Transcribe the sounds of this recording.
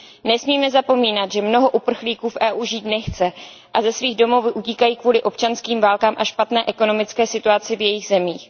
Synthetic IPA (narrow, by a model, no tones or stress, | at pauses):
nɛsmiːmɛzapo̞miːnat̪ʒɛmno̞ɦo̞ʔupr̩xliːkuːfʔɛːʔuːʒiːt̪nɛxt͡sɛ | ʔazɛsviːɣdo̞mowvʔuciːkajiːkvuːlɪʔo̞p̚t͡ʃanskiːmvaːlkaːmʔaʃpat̪nɛːʔɛko̞no̞mɪt͡skɛːsɪt̪uat͡sɪvjɛjiɣzɛmiːx